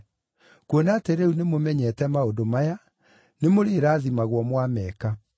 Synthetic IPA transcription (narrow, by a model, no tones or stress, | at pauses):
kwonaːteɾɛunemomɛɲɛtɛmaodomaja | nemoɾeːɾaːðimaɣwɔmwamɛːka